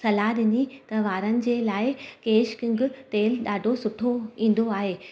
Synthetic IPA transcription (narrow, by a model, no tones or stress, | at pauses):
sɐlaɗɪnit̪ɐʋaːɾənɪ̆d͡ʑeːlaːɪkeːʃkɪ̃ŋɡʊt̪eːlɗaːɖʱosʊʈʰoĩːn̆d̪oaːɦeː